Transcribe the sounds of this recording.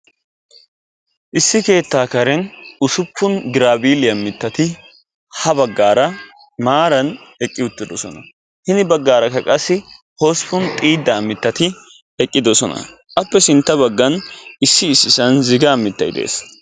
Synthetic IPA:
ʔɪsːɪke̞ːt̪ːaːkɐɾɛnʊsʊpʰːʊnɡɪɾaːbiːlɪjɐmːɪt̪ːɐt̪ɪ | hɐbɐɡːaːɾɐ | maːɾɐnɛkʼːɪʊt̪ːɪd̪ɔsɔnɐ̰ | hɪnɪbɐɡːaːɾɐkːɐkʼɐsːɪ | hoːspːʊnt̪ʼiːd̪ːɐːmːɪt̪ːɐt̪ɪ | ɛkʼːɪd̪ɔsɔnɐ̰ | ʔɐpːɛsɪnt̪ːɐbɐɡːɐnɪsːɪːsːɪsɐnzɪɡɐːmɪt̪ːɐjɪd̪ḛːs

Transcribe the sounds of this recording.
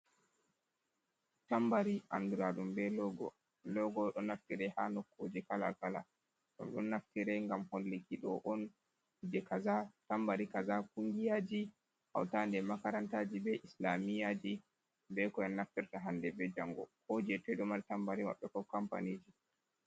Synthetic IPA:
tambaɾiʔa̰nduɾaɗumbɛ | lɔɡɔɗɔnaftiɾɛhanɔkʰːod͡ʒikala̰kala̰ | ɗɔ̰mɗɔnːaftiɾɛŋɡamholːikiɗɔ̰ʔɔn | hid͡ʒɛkazatambaɾikazakuŋɡijad͡ʒi | ʔa̰wtandɛmakaɾantad͡ʒibɛʔislamijad͡ʒi | bɛkɔjɔnːaftiɾtaɦandɛbɛd͡ʒaŋɡɔ̰hod͡ʒɛtɛɗɔmaɾtambaɾima̰ɓːɛkɔkampa̰nid͡ʒi

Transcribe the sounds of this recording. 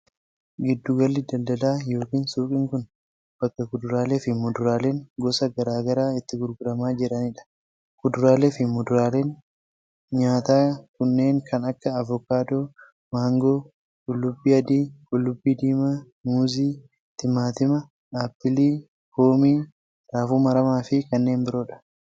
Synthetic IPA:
ɡɪd̪ːʊɡɐlːɪd̪ɐld̪ɐlaːjo̞ːkiːnsuːkʼɪŋkʊn | b̥ɐkːɐkʊd̪ʊɾaːle̞ːfɪmʊd̪ʊɾaːle̞ːŋɡɔsɐɡɐɾaːɡɐɾaːɪt̪ːɪɡʊɾɡʊɾɐmaːd͡ʒɪɾɐnɪᶑɐ̥ | kʊd̪ʊɾaːleːfɪmɔd̪ʊɾaːleːn | ɲaːt̪aːkʊnːe̞ːŋkʰɐnɐkːɐːvɔkːaːd̪oː | maːŋɡoː | kʼʊlːʊbːiːɐd̪iːkʼʊlːʊbːiːd̪iːmɐ | muːziː | t̪ɪmːaːt̪ɪmɐ | aːpːɪliː | koːmiː | ɾaːfuːmɐɾɐmaːfɪkɐnːe̞ːnbɪɾo̞ːᶑɐ̥

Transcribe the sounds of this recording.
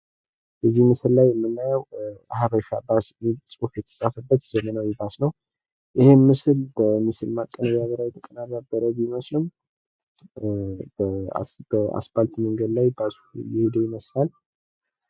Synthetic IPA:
b̥əzːihmɨsɨlːajmːɨnːajəwhaβəʃabasmisʼufjɛt̪ʰə̥sʼafəbːət̪z̥əmənawjɪbasnəw | ʔɪhemɨsɨlbəmɨsɨlmakʼːənəβaβəɾawjɛt̪ʰəkʼənarabːəɾəβiməslɨm | bə̰bəa̰sbalt̪məŋɡəd̪lajbas | ujɛhud̪əjɪməslal

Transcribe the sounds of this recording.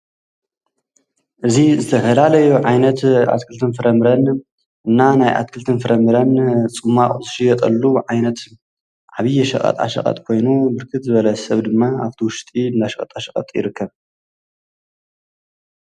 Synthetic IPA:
ʔɨzizɨt̪ʰɐfɐlalɐjuʕajnɐt̪a̰t̪kʰɨlt̪ʰɨnfɨɾɐmɾɐn | ʔɨnːanajʔa̰t̪̚kʰɨlt̪ʰɨnfɨɾɐmɨɾɐnt͡sʼɨmːaχʼuzɨʃɪjɐt̪ʼɐ̰lːuʕajnɐt̪ | ʕaβijːɛʃɐ̰χʼɐ̰t̪ʼa̰ʃɐ̰qʼɐ̰t̪ʼkʰo̞jnubɨɾkʰɨt̪zɨβɐlɐsɐβd̪ɨmːaa̰βt̪ʰiwʊʃt̪ʼiɨndaʃɐkʼɐ̰t̪ʼaʃɐχʼɐ̰t̪ʼjɪ̰ɾɨkʰːɐβ

